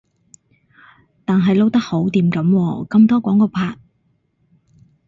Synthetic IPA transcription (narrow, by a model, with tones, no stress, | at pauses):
t̪aː˨nɦɐ˨jlo˥wt̪ɐ˥k̚ho˨˥wt̪iː˨mkɐ˨˥mwɔː˧kɐ˧mt̪ɔː˥kʷɔː˨˥ŋkɔː˧pʰaː˧t̚